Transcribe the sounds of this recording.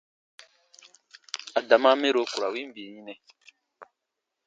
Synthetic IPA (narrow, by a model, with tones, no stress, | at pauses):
a˨da˨mã˦me˦ɾo˨ku˨ɾa˨wĩ˦m̩˦bi˨e˨ɲĩ˦nɛ̃˨